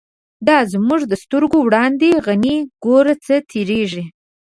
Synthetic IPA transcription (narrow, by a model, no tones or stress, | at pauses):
d̪ɑzmuʐd̪əst̪əɾɡowɽɑnd̪eɣaniɡoɾat͡sət̪ʰeɾeʐi